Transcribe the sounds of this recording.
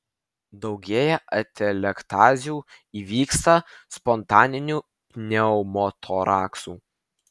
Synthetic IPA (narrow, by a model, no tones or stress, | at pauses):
d̪ɒʊɡʲeːjɛʔɐt̪ʲɛlʲɛkt̪ɑːzʲuːiːʋʲiːkst̪ɐspɔnt̪ɑːnʲɪnʲuː | pʲnʲɛɔʊmɔt̪ʰɔɾɑːksuː